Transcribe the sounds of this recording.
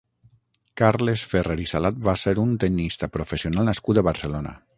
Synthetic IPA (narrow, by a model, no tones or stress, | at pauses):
kaɾlesfereɾisalat̪̚baseɾunt̪enist̪apɾofesionalˠnaskut̪əβaɾselona̰